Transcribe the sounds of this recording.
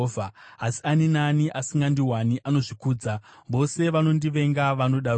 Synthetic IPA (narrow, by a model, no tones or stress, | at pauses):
vʱaːsi̥aninaniʔasiŋɡandiɦwaniʔano̞ʐikuːd͡za | bo̞se̞ʋano̞ndiʋe̞ŋɡaʋano̞ɗa